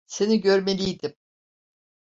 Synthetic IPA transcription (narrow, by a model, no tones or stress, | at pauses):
se̞niɟø̞ɾmelʲijd̪im